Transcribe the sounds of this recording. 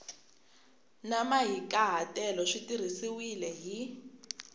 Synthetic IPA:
namaɦikaɦatʼɛlɔʂitir̤isiwilɛɦi

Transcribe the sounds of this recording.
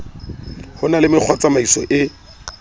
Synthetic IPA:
hʊnalɪmɪk͡xʰwat͡samaisɔ̰ʔɪ

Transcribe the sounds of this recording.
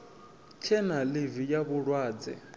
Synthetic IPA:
t͡ʃʰɛnalivijaβʊɺwaːd͡zɛ̰

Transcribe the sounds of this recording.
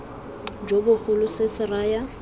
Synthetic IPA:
d͡ʒobʊχʊlʊsɪsɪraːja

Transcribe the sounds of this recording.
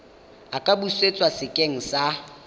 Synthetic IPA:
akʼabuset͡sʼwasɪkʼeŋ̩sa

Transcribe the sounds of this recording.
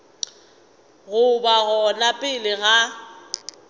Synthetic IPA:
ɣʊbaɣɔnapʼɪlɪɣa

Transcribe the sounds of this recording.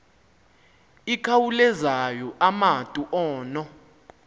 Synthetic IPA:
ikʰawulɛzajɔʔamatʼuʔɔːnɔ

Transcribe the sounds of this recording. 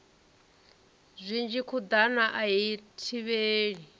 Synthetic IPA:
zʷind͡ʒikʰud̪anaʔaɦitʰiβeːɺi

